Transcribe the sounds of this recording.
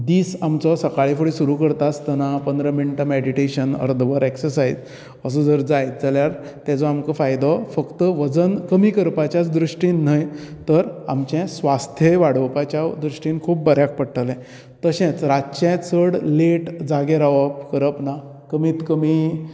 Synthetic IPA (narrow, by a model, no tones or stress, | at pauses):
d̪iːsamt͡sɔsəkaɭifəɭisuɾukəɾt̪ast̪ənapənd̪ɾəmiɳʈəmeɽiʈeɕənə̰ɾd̪ʱbəɾeksəɾsajd͡z | əsɔd͡zəɾd͡zajt̪̚d͡zaljaɾt̪ɛd͡zɔamkəfajd̪ɔfəkt̪əʋəd͡zənkəmiːkəɾpat͡ɕjat͡sd̪ɾuʂʈinːəjt̪əɾa̰mt͡ɕɛ̃sʋast̪ʰjəʋaɽəwpat͡ɕjad̪ɾuʂʈĩːnkʰuːp̚bəɾjak̚pəɽʈʰəlɛ̃ | t̪əɕɛ̃t͡sɾaɕɛ̃t͡səɽleʈd͡zaɡeɾaʋəpkəɾəpna | kəmiːt̪kəmi